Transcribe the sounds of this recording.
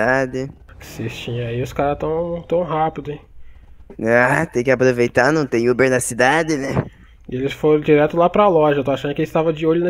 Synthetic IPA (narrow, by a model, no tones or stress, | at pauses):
ad͡ʒɪ | sest͡ʃĩɲɐ̃aiʊskaɾɐt̪ɐ̃w̃t̪ɐ̃w̃ɦapid̪ʊĩ | at̪ẽj̃kɪapɾovejt̪anɐ̃w̃t̪ẽj̃ubeɾnɐsid̪ad͡ʒ̪ɪnɛ̃ | ɪelɪsfoɾɐ̃d͡ʒiɾɛt̪ʊlapɾɐlɔʒɐt̪oaʃɐ̃nd̪ʊkelɪst̪avɐd͡ʒɪoʎʊnɐ